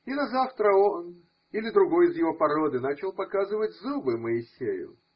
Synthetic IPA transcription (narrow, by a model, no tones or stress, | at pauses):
inɐzaft̪ɾəon | ilʲɪd̪ɾʊɡo̞jɪzjɪvo̞pɐɾo̞d̪ɨnat͡ɕɪlˠpɐkazɨvətʲzubɨməɪsʲejʊ̰